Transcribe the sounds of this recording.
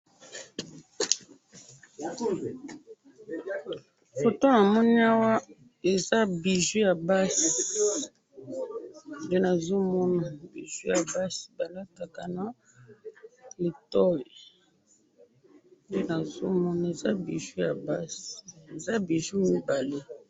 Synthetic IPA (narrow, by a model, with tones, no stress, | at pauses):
fo˨to˦na˨mɔ˦ni˦a˦wa˦ | e˨za˦bi˨ʒu˦ja˨ba˦s | de˦na˨zo˦mɔ˦na˨bi˨ʒu˦ja˨ba˦si̥˨ba˨la˦ta˨ka˨na˦ | le˨tɔ˦ji˨ | de˦na˨zo˦mɔ˦na˨e˨za˦bi˨ʒu˦ja˨ba˦si˨e˨za˦bi˨ʒu˦mi˦ba˨le˦